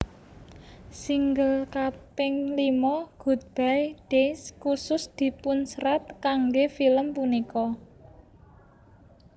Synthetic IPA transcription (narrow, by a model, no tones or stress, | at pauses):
siŋɡəlkapɪŋlimɔɡ̥ṳt̪̚b̥ajd̥eskusʊsd̪̥i̤pʊnsɾat̪̚kaŋɡefiləmpunikɔ